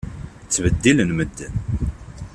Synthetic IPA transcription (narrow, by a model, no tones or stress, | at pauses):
t͡sːvəd̪ːilənməd̪ːən